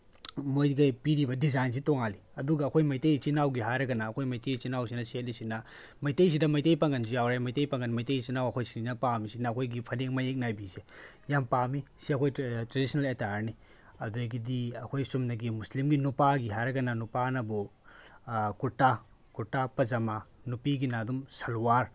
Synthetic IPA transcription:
mojɡɐpiɾibɐdizajns̬itoŋali | ɐduɡɐːkʰojmɐjtejt͡ʃinawɡiɦajɾɐɡɐnɐːkʰojmɐjtejt͡ʃinawsinɐset̚lisinɐ | mɐjtejs̬idɐmɐjtejpɐŋɡɐnzijawɾajmɐjtejpɐŋɡɐnmɐjtejt͡ʃinawɐkʰojsiinɐpamisinɐːkʰojɡipʰɐleŋmɐjek̚najbisejampamisiɐkʰojtɾedisnɐletaɾni | ɐduɾɐɡidiɐkʰojsumnɐɡimuslimɡinupaɡiɦajɾɐɡɐnɐnupanɐbu | kuɾta | kuɾtapɐzɐmanupiɡinadumsɐlwaɾ

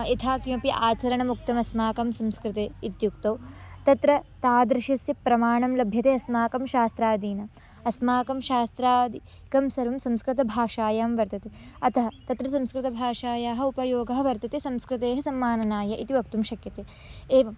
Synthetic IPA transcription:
it̪ʰaːkimɐpjiʔaːt̪ʰɐɾɐɳɐmuk̚t̪ɐmɐsmaːkɐmsɐmskɾɪt̪eːit̪juk̚t̪ɐwt̪ɐt̪ɾɐt̪aːd̪ɾɪʃɐsjɐpɾɐmaːɳɐmlɐbʱjɐt̪eːɐsmaːkɐmʃaːst̪ɾaːd̪iːnɐ | ɐsmaːkɐmʃaːst̪ɾaːd̪i | kɐmsɐɾʋɐmsɐmskɾɪt̪ɐbʱaːʃaːjaːmʋɐɾt̪ɐt̪eɐt̪ʰɐɦɐt̪ɐt̪ɾɐsɐmskɾɪt̪ɐbʱaːʃaːjaːɦɐ̆upɐjoːɡɐɦɐʋɐɾt̪ɐt̪esɐmskɾɪt̪eːɦɐsɐmːaːnɐnaːjɐʔit̪iʋɐkt̪umʃɐkjɐt̪e | eːʋɐm

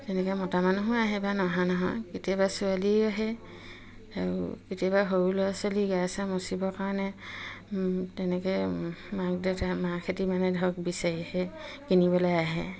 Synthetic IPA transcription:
tɛnɛkɛmɔtamanuɦʊ̃aɦɛbanɔɦãnɔɦɔjketijabasualiaɦɛ | aɹṵketiabaɦoɹulɔasaliɡasamosibɔkaɹɔnɛ | tɛnɛkɔjmak̚dɛtamakʰetimanɛdʱɔɡbisaɹihɛkinibɔlɔjaɦɛ

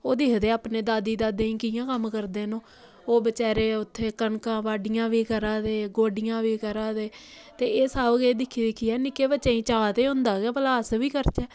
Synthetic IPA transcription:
oːd̪iːɦd̪eːaːpneːd̪aːd̪iːd̪aːd̪eːĩːkɪjãːkəmkəɾd̪eːnõː | oːbət͡ʃɛːɾeːʊt̪ʰːeːkəɳkãːʋaːɖɪjãːʋiːkəɾaːd̪eːɡoːɖɪjãːʋiːkəɾaːd̪eː | t̪eːeːsaːʋɡeːd̪ɪkʰːiːd̪ɪkʰiːɛːnɪkeːbət͡ʃãːĩːt͡ʃaːt̪eːɦʊ̃nd̪aːɡɛːpəlaːsʋiːkəɾt͡ʃɛː

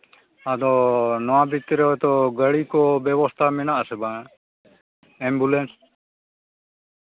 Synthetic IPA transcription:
ad̪ɔnɔwãbʱit̪ɾɛɔt̪ɔɡəɽikɔbɛbɔst̪ʰamɛnaʔasɛba | ɛmbulens

